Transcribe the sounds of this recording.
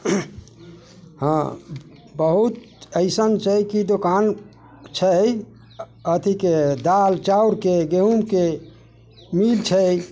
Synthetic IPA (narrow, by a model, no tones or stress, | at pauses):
hã | bəɦut̪ | əɪsənt͡ʃʰəjkid̪okan | t͡ʃʰəj | ət̪ʰiked̪alt͡ʃauɾkeɡeɦumke | milt͡ʃʰəj